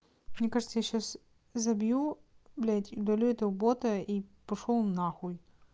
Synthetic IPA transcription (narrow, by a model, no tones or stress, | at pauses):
mnʲekaʐɨt̪səjaɕːas | zɐbʲjublʲat̪ʲʊd̪ɐlʲuɛt̪əʊbot̪ɐipɐʂolˠnaxuj